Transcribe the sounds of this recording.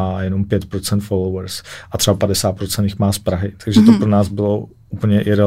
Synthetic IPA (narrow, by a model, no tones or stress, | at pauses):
aːjɛno̞mpjɛt̪pɾot͡sɛnt̪folowɛɾsʔat̪r̥ɛbapadɛsaːt̪̚pɾott͡sɛnt̪jɪxmaːspɾaɦɪt̪aɡʒɛt̪opɾonaːzbɪlo̞ | upl̩ɲɛʔɪɾɛ